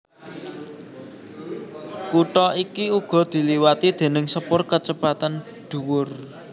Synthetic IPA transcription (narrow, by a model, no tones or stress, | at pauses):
kuʈɔikiuɡ̥ɔ̤d̪̥i̤liwat̪id̪̥e̤nɪŋsəpʊrkət͡ʃəpat̪an | ɖ̪̥ṳwʊr